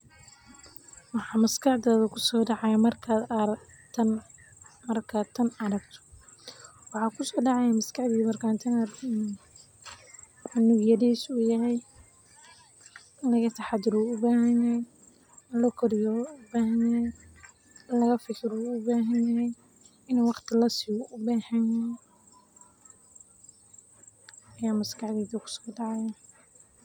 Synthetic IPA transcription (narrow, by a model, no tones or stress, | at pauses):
wɑħɑːmɐskɑħd̪ɔːðɐkʰʊsɔːɖɑʕɑjamɐrkʰaːd̪ʰ | n | mɐrkʰaːd̚t̪ʰːɐnɐɾɐɡt̪ʰɔ̥ | wɑħɑːkʰʊsɔːɖɑʕɑjamɐskɑħd̪iːmɐrkʰaːnt̪ʰɐnɐr | nʊɡjɐðiːsʊjɦɛj | lɐɣɐt̪ʰɑħɑd̪ɪɾuʊbaːhɐnaj | lɔkʰɔɾɪjɔʊbaːɦɐjaɛj | lɐɣɐfɪkʰɪɾuʊbaːɦɐnɐɦɛj | ɪnːwɑqt̪ʰɪlɐsɪʊʔʊbaːħɐnɐ | ɐjaːmɐskɑħd̪iːðɐkʰʊ̥sɔ̥ːɖɑʕɑja